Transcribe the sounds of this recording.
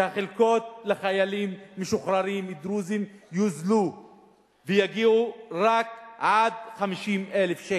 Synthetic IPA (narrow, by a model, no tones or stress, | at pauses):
ehaχelko̞t̪̚leχajalimːeʃuχɾaʁimid̪ɾuzimjuzlu | vejaɡiuʁakʕad̪χamiʃimʔelefʃe